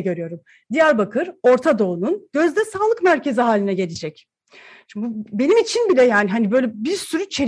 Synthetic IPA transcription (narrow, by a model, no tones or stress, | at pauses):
ɟø̞ɾyjo̞ɾum | d̪ijæɾbakʰɯɾo̞ɾt̪ʰad̪o̞ununɟ̥ø̞zd̪ɛsaːlˠɯkmæɾcʰe̞ziɦaːlʲinɛɟe̞lʲid͡ʒɛc | t͡ʃube̞nimit͡ʃʰinbilʲɛjaːniɦanibø̞jlʲɛbiɾsyɾyt͡ʃʰe